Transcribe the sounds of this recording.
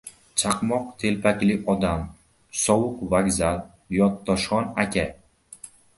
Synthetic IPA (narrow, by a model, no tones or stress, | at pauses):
t͡ʃʰaqmɒq̚t̪ʰe̞lpʰakʲlɪɒd̪am | sɒwʊqvaɡʲzal | jɒt̪ʰːɒʃχɒnakʲa